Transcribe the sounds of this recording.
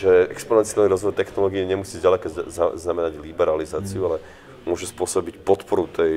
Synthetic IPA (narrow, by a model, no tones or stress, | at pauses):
ʒɛɛ̰kspɔnɛnt͡sialniɾɔzʋɔjt̪ɛxnɔlɔːɡiːɲɛmusiːzɟalɛkazznamɛnaɟlibɛɾalizaːt͡siualɛ | mʊɔʒɛspʊɔsɔbicpɔt̪pɔɾut̪ɛj